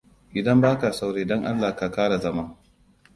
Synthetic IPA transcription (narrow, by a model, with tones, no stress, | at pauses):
ʔɪ˨dɐ˦mbaː˦ka˨sa˦wɽeː˦dɔ˦ŋʔa̰˦lːaː˨ka˨kaː˦ɽa˨zɐ˦mɐ˦ŋ